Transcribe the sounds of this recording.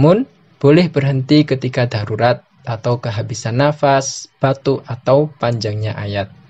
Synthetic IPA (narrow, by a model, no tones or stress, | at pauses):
mʊn | b̥olɛhbərɦənt̪ikət̪ikadaɾuɾat̪̚ | ʔat̪awkəɦabisanːafasb̥at̪uʔat̪awpaɲd͡ʒaŋɲaʔajat̪̚